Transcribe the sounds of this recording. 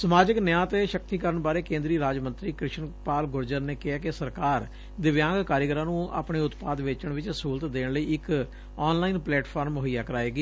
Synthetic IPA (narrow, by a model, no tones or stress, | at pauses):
səmaːd͡ʒɪknɪjãːt̪eːʃəkt̪iːkəɾəɳbaːɾeːkẽːnd̪ɾiːɾaːd͡ʒmə̃nt̪ɾiːkɾɪʃənpaːlɡʊɾd͡ʒəɾneːkɪɦaːkɪsəɾkaːɾ | d̪ɪʋjãːŋɡkaːɾjəɡɾãːnũːa̰ːpɳeːʊt̪paːd̪ʋeːt͡ʃəɳʋɪt͡ʃsuːlət̪d̪eːɳləiːɪk | ɔːnlaːiːnplɛːʈpʰaːɾmɦijaːkəɾaːeːɡiː